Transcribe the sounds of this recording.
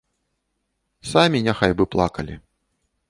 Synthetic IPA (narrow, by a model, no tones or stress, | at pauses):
samʲinʲaxajbɨplˠa̰kɐlʲḭ